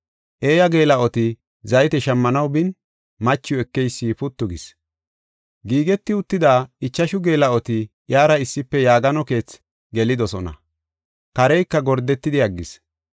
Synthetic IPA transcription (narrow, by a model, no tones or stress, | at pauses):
ʔe̞ːjɐɡe̞ːlɐʔɔt̪ɪ | zɐjt̪ɛʃɐmːɐnɐwbɪn | mɐt͡ʃːɪjɔɛkːɛjsːipʊt̪ːʊɡɪs | ɡiːɡɛt̪ːɪʊt̪ːɪd̪aːɪt͡ʃːɐʃʊɡe̞ːlɐɔt̪ɪ | ʔjaːɾɐɪsːɪpːɛjaːɡɐnɔke̞ːt͡s | ɡɛlɪd̪ɔsɔnɐ̰ | kɐɾɛjkːɐɡɔɾd̪ɛt̪ːɪd̪ɪɐɡːɪs